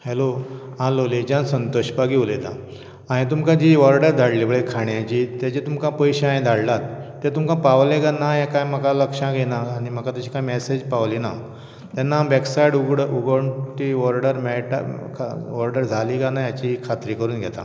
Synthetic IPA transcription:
heloɦãloled͡ʑãnsənt̪oɕbaɡiʋlet̪ã | aɽ̃ĩt̪̬umkãd͡ʑiʋɔɾɖəɾd̪ʱaɽlibʱəɭekʰaɳjãt͡ɕit̪jat͡ɕet̪umkãpəjɕeãj̃d̪ʱaɽlat̪ː | et̪umkãpaʋleɡanajãkãjməkaləkʂãɡʱenaːɽ̃im̤əkat̪at͡ɕikãjmɛsed͡ʑpaʋlina | t̪janːabɛksaiɽuɡɽuɡəɳʈiʋɔɾɖəɾmɛɭʈkʰʋɔɾɖəɾd͡zʱaliːɡanajat͡ɕikʰat̪ɾiːkəɾuːnɡʱɛt̪ã̰

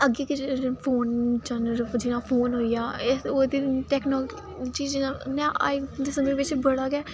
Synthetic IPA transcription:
əɡeːkɪpʰoːnt͡ʃənɾd͡ʒɪnãːpʰoːnɦoːijaːeod̪iʈɛːknɔːk | t͡ʃiːd͡ʒnanɛ̃ːa̰ɪd̪esəmẽʋɪt͡ʃbəɽaːɡɛː

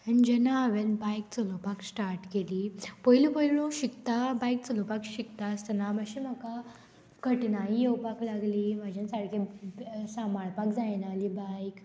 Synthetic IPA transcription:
ənid͡ʑɛnaʋenbajk̚t͡səlopaksʈaɾʈkeliːpəilupəilõɕikt̪abajk̚t͡səlopakɕikt̪ast̪ənaməɕim̤əka | kəʈnaijewpaklaɡliːmad͡ʑʱansaɽkesamaɭpakd͡zajnalibajk

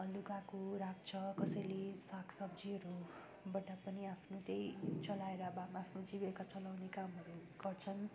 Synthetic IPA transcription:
luɡakuɾak̚t͡sʰʌkʌsʌjlesakʰsʌbd͡ziʌɾu | bʌʈapʌniapʰnot̪ejt͡sʌlaeɾʌbamaːpʰnod͡zibekat͡sʌlawnekamʌɾuɡ̥ʌrt͡sʰʌn

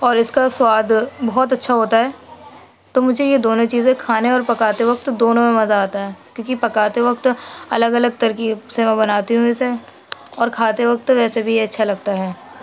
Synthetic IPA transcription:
ɔːɾɪskaswaːd̪bɔɦɔt̪ɐtːʃʰaɦoːt̪aɦɛː | t̪oːmʊd͡ʒʱejed̪oːnõt͡ʃiːzẽkʰaːneɔːɾpɐkaːt̪eʋɐk̚t̪d̪oːnõmẽmɐzaaːt̪aɦɛːkjõːkipɐkaːt̪eʋɐk̚t̪ɐləɡɐləɡ̚t̪ɐɾkisemɛ̃bɐnaːt̪iɦũẽse | ɔːɾkʰaːt̪eʋɐk̚t̪ʋɛːsebʱijɐtːʃʰalɐɡ̚t̪aɦɛː

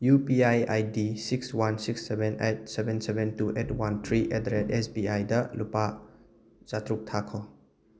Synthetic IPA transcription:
jupiajajdisikswansiksːebʱenet̚sebʱensebentuʔetwant̪ʰɾiʔetɾetesbiajdɐlupa | zatɾuk̚tʰakʰɔ

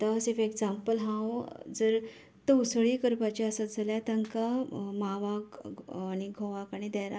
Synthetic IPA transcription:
t̪asiɾfeɡd͡zampəlɦãwd͡zəɾ | t̪əusɭikəɾpat͡ɕaəsat̪̚d͡zʱəljat̪aŋkamaʋakːñiɡʱoʋakaɽ̃id̪əjɾa

